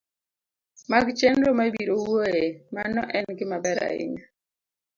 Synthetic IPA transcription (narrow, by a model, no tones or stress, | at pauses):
maɡt͡ʃɛnɾɔmabiɾowwoemanɔʔɛnɡɪmabɛɾa̰ɪ̰ŋa